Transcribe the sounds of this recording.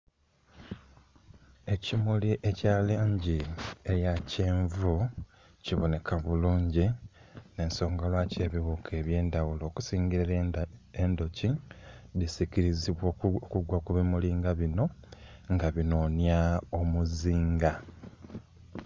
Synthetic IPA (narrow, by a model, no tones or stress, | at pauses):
e̞cimuliʔe̞caːleːɲɟieɾjaceːɱvu | ciβo̞ne̞kʰaβuluːɲɟine̞ːnso̞ːŋɡalwace̞ːβiβukʰe̞ːβje̞ːndawulo̞ːku̥siːŋɡiɾe | endo̞ciðisiciɾiziβwokuɡwakuβimuliːŋɡaβino̞ŋɡaβino̞njaomuziːŋɡa